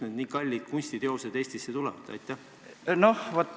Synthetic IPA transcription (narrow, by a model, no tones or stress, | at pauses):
ned̥̪niːkɑlʲːit̪̚kunʲsʲt̪it̪eo̞sed̪̥e̞ːsʲt̪isːet̪ulɛvɑd̪̥ɑ̰jt̪ːˑæ | nohvot̪ː